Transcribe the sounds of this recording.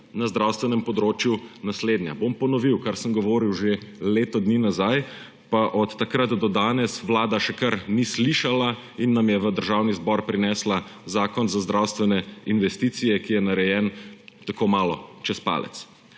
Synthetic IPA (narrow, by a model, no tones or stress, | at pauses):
nazd̪ɾawst̪ʋɛnɛmpɔd̪ɾoːt͡ʃjunasleːd̪nja̰bompɔnɔʋiwkaɾsəmɡɔʋoːɾiwʒeleːt̪ɔd̪niːnazaj | paʔɔt̪ːakɾat̪d̪ɔd̪aːnɛsʋlaːd̪aʃɛkaɾnisliʃala | inːamjɛʋəd̪əɾʒawnizbɔɾpɾinɛːslazaːkɔnzazd̪ɾawst̪ʋɛnɛinʋɛst̪iːt̪sijɛkijɛnaɾɛjɛːnt̪akomaːlɔt͡ʃɛspa̰ːlɛ̰t̪s